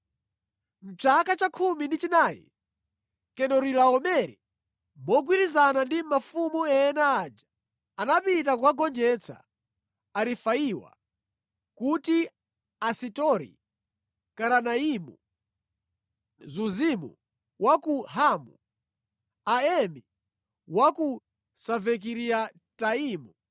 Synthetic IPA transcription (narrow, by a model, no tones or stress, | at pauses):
m̩t͡ʃakat͡ʃakʰumindit͡ʃinaːjḭ | kɛnɔɾilaɔmɛɾi | mɔɡwiɾizanandimmafumuɛɛnaːd͡ʒḁ | anapitakukaɡɔnd͡ʒɛt͡sʰa̰ː | ɾifaiwa̰ | kuti | asitɔɾḭ | kaɾanaimu | zuzimṵ | wakuɦamu | aɛmi | waku | savɛk̬iɾia | taiːmu